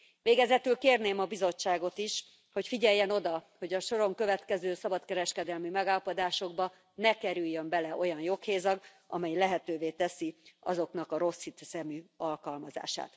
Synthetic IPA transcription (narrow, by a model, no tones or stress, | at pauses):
ʋeːɡɛzɛt̪ylkeːrneːmɒbizo̞t͡ʃːaːɡo̞t̪iʃ | ho̞cfiɟɛjːɛno̞d̪ɒho̞ɟɒʃo̞ɾo̞ŋkø̞vɛt̪kɛzøːsɒbɒt̪kɛɾɛʃkɛd̪ɛlmimɛɡaːlɒpo̞d̪aːʃo̞ɡbɒ | nɛkɛɾyjːømbɛlɛʔo̞jɒnjo̞kheːzɒɡ | ɒ̰mɛjlɛɦɛt̪øːveːt̪ɛsiɒ̰zo̞kn̪ɒkɒɾo̞shit̪sɛmyɒlkɒlmɒza̰ːʃa̰ːt̪